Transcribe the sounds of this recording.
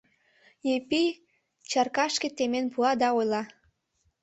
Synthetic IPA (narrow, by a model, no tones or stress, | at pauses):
jepi | t͡ɕɑrkɑʃket̪emenpuɑd̪ɑojlɑ